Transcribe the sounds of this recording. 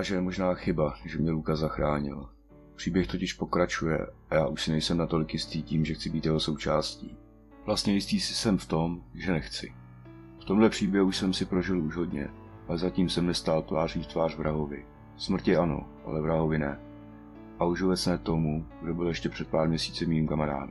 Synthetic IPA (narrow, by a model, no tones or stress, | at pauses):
aʒɛɛmo̞ʒnaːxɪbaʒɛmɲɛlukazaxɾaːɲɪ̰l | pr̥iːbjɛxt̪o̞cɪʃpo̞kɾat͡ʃujɛ̰ajaːʔuʃsɪnɛjsɛmnat̪o̞lɪkjɪst̪iːciːmʒɛxt͡sɪbiːt̪jɛɦo̞so̞wt͡ʃaːscḭː | vlast̪ɲɛjɪst̪iːsɪsɛmft̪o̞mʒɛnɛxt͡sɪ | ft̪o̞mlɛpr̥iːbjɛɦuuʃsɛmsɪpɾo̞ʒɪluʒɦo̞dɲɛ̰ | ʔalɛzaciːmsɛmnɛst̪aːlt̪vaːrɲiːft̪vaːr̝vɾaɦo̞vɪ | smr̩t̪ɛʔano̞̰ʔa̰lɛvɾaɦo̞vɪnɛ | ʔauʒobɛt̪t͡snɛːt̪o̞muɡdo̞bɪljɛʃcɛpr̥ɛt̪̚paːɾmɲɛsiːt͡sɪmiːmkamaɾa̰ːd